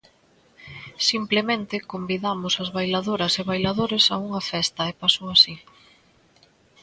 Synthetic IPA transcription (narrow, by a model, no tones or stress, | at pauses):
simplemẽnt̪ɪkombiðamʊsɐzβajlaðoɾɐseβajlaðoɾesauŋɐfɛst̪ɐepasoasi